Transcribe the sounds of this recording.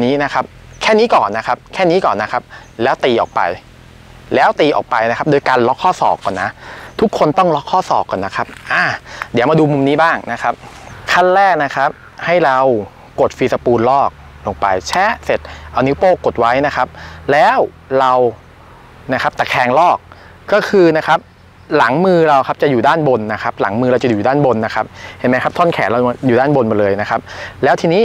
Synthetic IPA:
niː˦˥na˦˥kʰa˦˥p̚ | kʰɛː˥˩niː˦˥kɔː˨˩nːa˦˥kʰa˦˥p̚kʰɛː˥˩niː˦˥kɔː˨˩nːa˦˥kʰa˦˥p̚lɛː˦˥wt̪iː˧ʔɔː˨˩k̚pa̰˧j | lɛː˦˥wt̪iː˧ʔɔ̰ː˨˩k̚pa˧jna˦˥kʰa˦˥p̚doː˧jkaː˧nlɔ˦˥kʰːɔː˥˩sɔ̰ː˨˩kːɔː˨˩nːa˦˥t̪ʰu˦˥kʰo˧nt̪ɔ˥˩ŋlɔ˦˥kʰːɔː˥˩sɔ̰ː˨˩kːɔː˨˩nːa˦˥kʰa˦˥p̚ʔaː˧˩di˩˦wmaː˧duː˧mu˧mniː˦˥baː˥˩ŋna˦˥kʰa˦˥p̚kʰa˥˩nlɛː˥˩k̚na˦˥kʰa˦˥p̚ | ha˥˩jɾa˧w | ko˨˩t̪̚fiː˧sa˧puː˧nlɔː˥˩k̚ | lo˧ŋpa˧jt͡ɕʰɛː˦˥˩se˨˩t̪̚ʔa˧wni˦˥poː˥˩ko˨˩t̪̚wa˦˥jna˦˥kʰa˦˥p̚lɛː˦˥w | ɾa˧w | na˦˥kʰa˦˥p̚t̪ɛː˨˩kʰɛː˧˩ŋlɔː˥˩k̚ː | ɔː˥˩kʰɯː˧na˦˥kʰa˦˥p̚ | la˩˦ŋmɯː˧ɾa˧wkʰa˦˥p̚t͡ɕa˨˩juː˨˩daː˥˩nbo˧nːa˦˥kʰa˦˥p̚la̰˩˦ŋmɯː˧ɾa˧wt͡ɕa˨˩juː˨˩daː˥˩nbo˧nːa˦˥kʰa˦˥p̚he˨˩nma˦jkʰa˦˥p̚t̪ʰɔː˥˩nkʰɛ̰ː˩˦nɾa˧wjuː˨˩daː˥˩nbo˧nmbɔ˨˩lɤː˧jna˦˥kʰa˦˥p̚lɛː˦˥wt̪ʰiː˧niː˦˥˩

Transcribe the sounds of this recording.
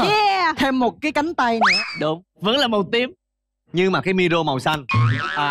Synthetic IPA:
ɛ˧˩t̪ʰe˧mːo˨˩t̚kaː˨˦jka˨˦jŋ̟t̪a˧jnɨ̰˧˦əɗʊ˨˦ŋ͡m | və̰˧˥nlaː˨˩mo˨˩t̪i˨˦əm | ɲɨ˧ŋmaː˨˩kaː˨˦jmi˧ɗo˧ma˨˩wsa˧jŋʔaː˨˩

